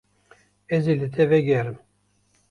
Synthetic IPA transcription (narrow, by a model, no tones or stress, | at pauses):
ɛzilɨt̪ʰɛvɛɡɛɾɨm